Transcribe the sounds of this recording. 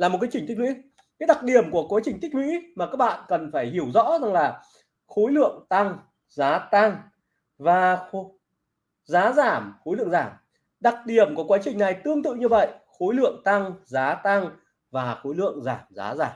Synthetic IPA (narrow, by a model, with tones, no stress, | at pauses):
laː˨˩m̚˨˩kaː˨˦t͡ɕï˨˩ŋ̟˦˥k̚wḭ˧˥ | kaː˨˦jɗa˨˩k̚ɗi˨˩əmku˧˩əkwaː˨˦t͡ɕï˨˩ŋ̟t̪̟̚ʰhwḭ˧˥maː˨˩kaː˦˥k̚ɓa̰ː˧˨nkə˨˩nfaː˧˩jhi˧˩əwzɔ̰˧˥za˨˩ŋlaː˨˩ | xo˨˦jlɨ̰˧˨əŋt̪a˧ŋ | zaː˨˦t̪a˧ŋ | vaː˨˩xo˨˦ | zaː˨˦zaː˧˩mxo˨˦jlɨ̰˧˨ə˨ŋzaː˧˩m | ɗa˨˩t̚ɗi˨˩əmku˧˩əkwaː˨˦t͡ɕï˨˩ŋ̟na˨˩jt̪ɨ˧əŋt̪ɨ̰˧˨ɲɨ˧və̰˧˨jʔxo˨˦jlɨ̰˧˨əŋt̪a˧ŋzaː˨˦t̪a˧ŋ | vaː˨˩xo˨˦jlɨ̰˧˨əŋzaː˧˩mza̰ː˨˦zaː˧˩m